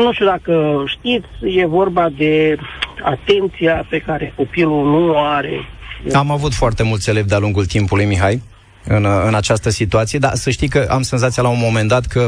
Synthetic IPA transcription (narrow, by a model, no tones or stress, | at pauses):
nũʃt̪iuod̪akəʃt̪it̪sʲje̞vo̞rbad̪e̞a̰t̪e̞nt̪sijape̞kaɾe̞ko̞pilunuoaɾe̞̰amavut̪foart̪e̞mult̪se̞leb̚d̪ealuŋɡult̪impulujmiɦaj | ɨnɨnat͡ʃast̪əsit̪uat̪sije̞d̪a̰səʃt̪ijkəʔa̰mse̞nzat̪sijalaunmo̞me̞nd̪at̪kʰə